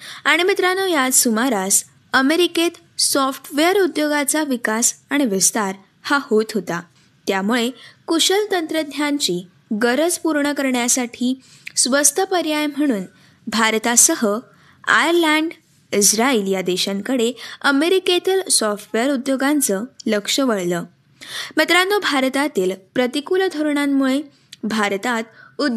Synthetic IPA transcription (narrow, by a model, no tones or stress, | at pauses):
aɽ̃imit̪ɾanɔjad̪sumaɾas | əmeɾiket̪ | sɔfʈʰʋeəɾud̪joɡat͡saʋikasaɽ̃iʋist̪aɾ | hahot̪ɦot̪a | t̪jamuɭekuɕəlt̪ənt̪ɾəd̪ʱjaɲt͡ɕiː | ɡəɾəd͡zpuɾɳəkəɾɳjasaʈʰiː | sʋəst̪ʰəpəɾjajm̤əɽ̃uːn | bʱaɾt̪asəɦə | a̰jəɾlaɳɖ | isɾailijad̪eɕãŋkəɽeəmeɾiket̪ilsɔfʈʋeɾud̪joɡant͡sələkʂəʋəɭlə | mət̪ɾanːobʱaɾt̪at̪iːlpɾət̪ikuld̪ʱoɾɳamːuɭe | bʱaɾt̪at̪u